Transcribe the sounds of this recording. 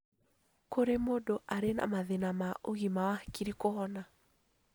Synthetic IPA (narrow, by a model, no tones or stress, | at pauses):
koɾemodoʔaɾena̰maðenamaʔoɣimawakiɾikohɔna